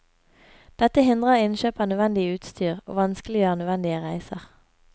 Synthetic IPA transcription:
d̪̥ɛt̪əhɪnd̪ʁəʁɪnʃøːpənœʋɛnd̪ɪəʉːt̪st̪ʰyːʁo̰ːʋɑnsklɪənœʋɛnd̪ɪəʁæɪsəʁ

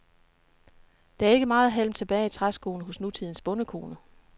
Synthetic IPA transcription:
d̥ɑ̈æɐe̝ɡ̥əmɑ̈ːð̩ˠɦel̰mt͡sʰe̝b̥ɛːɪit͡sʰʁasɡ̥ʰo̝ːn̩ɦɔ̽snut͡sʰið̞̰ˠn̩sb̥ɔ̽nəkʰo̝ːnə

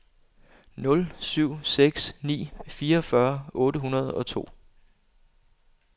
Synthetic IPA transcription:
nɔ̽lsyʊ̰seɡ̥snḭːfiːɐfɶɐʔɔ̽ːɾəɦunɐð̞̩ˠɒ̽t͡sʰo̝̰ː

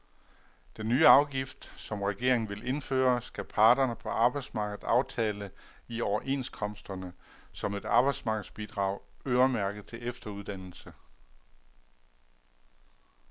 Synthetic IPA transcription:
d̥enːyːɑ̈ʊɡ̥ifd̥sɒ̽mʁɛɡ̥e̝ɐ̰eŋn̩ʋe̝lʔe̝nfø̰ːɐsɡ̥æpʰɑ̈ːd̥ɐnəpʰɒ̽ʔɑ̈ːb̥ɑ̈ɪd̥smɑ̈ːɡ̥ð̩ˠsɑ̈ʊt͡sʰɛːlə | iɒʊɐʔe̝nskʰɒ̽m̰sd̥ɐnə | sɒ̽me̝d̥ɑ̈ːb̥ɑ̈ɪd̥smɑ̈ːɡ̥ð̩ˠsb̥id̥ʁɑ̰̈ʊ̰øːɐmæɐɡ̥ð̩ˠt͡sʰe̝lefd̥ɐuð̞ˠd̥æn̰l̩sə

